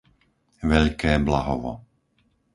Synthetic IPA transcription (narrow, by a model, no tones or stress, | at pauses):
ʋɛʎkɛːblaɦɔʋɔ̰